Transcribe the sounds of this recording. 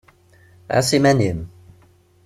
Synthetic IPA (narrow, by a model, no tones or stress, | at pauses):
a̰simænim